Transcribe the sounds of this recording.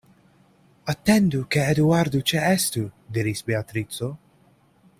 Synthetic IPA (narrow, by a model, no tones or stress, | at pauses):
ɐt̪ːɛnd̪ukɛɛd̪uɐɾd̪ut͡ʃɛʔɛst̪ud̪ɪɾisbɛɐt̪ɾiːt͡sːɔ